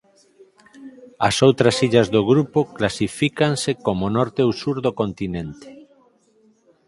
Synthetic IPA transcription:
asowt̪ɾasiʎazðoɣɾupoklasifikansekomonɔɾt̪eowsuɾðokont̪inẽnt̪e̥

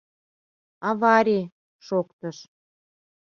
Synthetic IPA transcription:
ɑβɑɾʲi | ʃokt̪əʃ

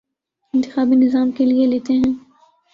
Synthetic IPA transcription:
ɪ̃nt̪ɪxaːbinɪzaːmkelieleːt̪eɦɛ̃ː

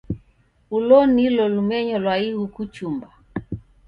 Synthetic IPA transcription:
ulɔnilɔlumɛɲɔlwaihukut͡ʃumba

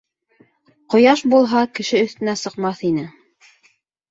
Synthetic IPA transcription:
qŏjɑʃbulˠɦɑkɘ̆ʃɘɵ̆θt̪ɘ̆næsɤ̆qmɑθinɘ

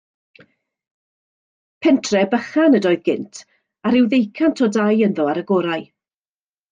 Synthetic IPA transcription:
pʰɛntʰrɛbəχanədɔɨðɡɪntʰ | aɾɪwðejkʰantʰɔdajənðɔaɾəɡɔːɾaj

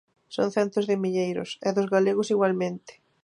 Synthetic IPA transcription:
so̰ŋθɛnt̪ʊzðɪmiʎejɾʊ̰sɛðʊzɣaleɣʊsiɣwalmẽnt̪ɪ̥

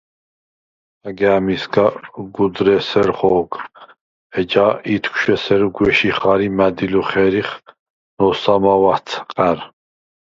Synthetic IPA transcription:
aɡɛːmisɡaɡud̪ɾɛsɛɾχɔːkʰ | ɛd͡ʒait̪ʰkʷʰʃɛsɛɾɡwɛʃiχaɾimæd̪iluχɛɾiχ | nɔsamawat̪ʰqʼɛɾ

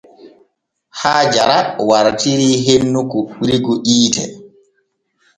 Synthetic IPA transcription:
haːd͡ʒaɾawaɾtiɾiːɦenːukuɓɾiɡuʔiːtɛ̰

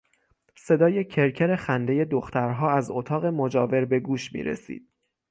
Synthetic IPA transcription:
se̞d̪ɒːjecʰe̞ɾcʰeɾe̞xænd̪e̞je̞d̪oxt̪æɾɦɒːæzot̪ʰɒːɣe̞mod͡ʒɒːve̞ɾbe̞ɡuːʃmḭːɾḛsḭːd̪̥̚

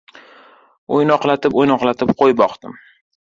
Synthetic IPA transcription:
o̰jnɒqlat̪ʰɪpojnɒqlat̪ʰɪpqʰojbɒqt̪ɪm

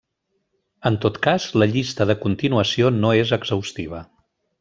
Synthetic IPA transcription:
ənt̪ot̪kazləʎist̪əðəkunt̪inuəsionoezəɡzəwst̪iβ̞ə

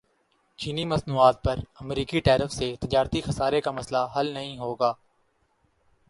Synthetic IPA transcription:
t͡ʃiːniːməsnuːaːt̪̚pəɾəmɾiːkiʈɛːɾəfset̪ɪd͡ʒaːɾt̪ixəsaːɾekaːməslaɦəlnəɦĩːɦoːɡaː

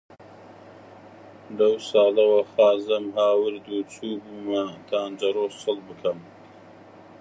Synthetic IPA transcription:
lɐwsɑːlɐwɐxɑːzɨmɦaːwɨɾd̪ut͡sʰuːbuːmɐt̪ʰaːnd͡ʒɐɾoːssɨlbɨkʰɐm

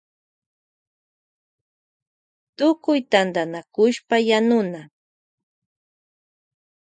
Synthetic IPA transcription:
t̪ʊkʊjt̪and̪anakʊʃpajanʊna

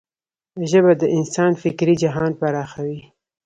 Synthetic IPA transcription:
ʒəbad̪əʔɪnsɑnfɪkɾid͡ʒaɦɑnpaɾɑxawi

